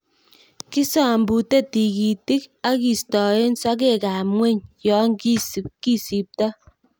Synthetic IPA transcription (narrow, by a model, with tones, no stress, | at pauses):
ki˦sɔ˨mbu˨te˦ti˨ki˨ti˦ka˦ki˨stɔ˨e˦nsɔ˦k̬e˦˨ka˨mŋwe˦ɲjɔ˨˦ŋki˦ski˦si˨p̚tɔ˦